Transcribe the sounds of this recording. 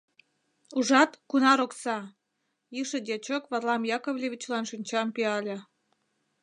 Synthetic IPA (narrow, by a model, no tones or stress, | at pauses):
uʒɑt̪kunɑɾoksɑ | iʃĕd̪ʲet͡ɕokβɑrlɑmjɑkoβlʲeβʲit͡ɕlɑnʃinʲt͡ɕɑmpiɑlʲĕ